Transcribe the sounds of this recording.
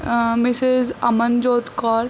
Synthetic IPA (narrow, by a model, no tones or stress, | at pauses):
mɪsɪzɐ̰mənd͡ʒoːt̪kɔːɾ